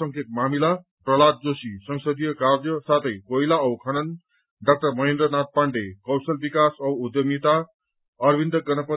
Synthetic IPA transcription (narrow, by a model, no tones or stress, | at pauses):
ʌŋkʰet̪̚mamila | prʌlat̪̚d͡zosisʌŋsʌd̪ijʌkard͡zjʌsat̪ʰʌjkojlaʌwkʰʌnʌn | ɖak̚ʈʌrmʌɦend̪rʌnat̪̚paɳɖekʌwsʌlbikasʌwud̪jʌmit̪a | ʌrbind̪ʌɡʌnʌpʌ